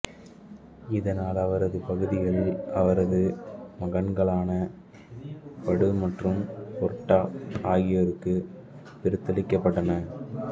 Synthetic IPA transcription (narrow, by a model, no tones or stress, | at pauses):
ɪðɐnaːlɐʋɐɾɐðɯpɐɣɯðɪɣɐɭɐʋɐɾɐðɯmɐɣɐɳɡɐɭaːnɐ | pɐɽɯmɐʈrɯmpɔɾʈːaːaːɣɪjɐɾɯkːɯ | pɪɾɯt̪ːɐlɪkːɐpːɐʈːɐnɐ